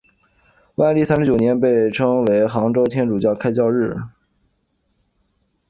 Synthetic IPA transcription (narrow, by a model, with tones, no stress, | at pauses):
wa˥˧ɪli˥˩sa˥nʂɻ̩˥t͡ɕjo˨˩ʊnjɛ˧˥npe˥˩ɪʈ͡ʂʰɤ˥ŋwe˧˥ɪxɑ˧˥ŋʈ͡ʂo˥ʊt̪ʰjɛ˥nʈ͡ʂu˨˩t͡ɕjɑ˥˩ʊkʰa˥ɪt͡ɕjɑ˥˧ʊɻɻ̩˥˩